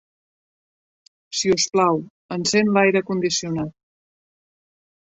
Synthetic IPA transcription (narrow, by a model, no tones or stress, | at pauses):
siusplaw | ənsenlajɾəkund̪isiunat̪̚